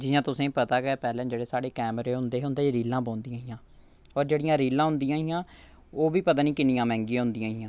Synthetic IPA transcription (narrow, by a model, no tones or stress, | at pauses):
d͡ʒɪjãːt̪ʊsẽːpət̪aːkepɛːlɛ̃ːd͡ʒeːɽeːsaːɽeːkɛːmɾeːɦʊnd̪eːɦʊnd̪eːɾiːlãːpɔ̃ːnd̪ijãːɪjãː | ɔːɾd͡ʒeːɽijãːɾiːlãːɦʊnd̪ijãːijãː | oːʋiːpət̪aːnĩːkɪniːãːmɛ̃ːŋɡijãːɦʊnd̪ijãːɦijãː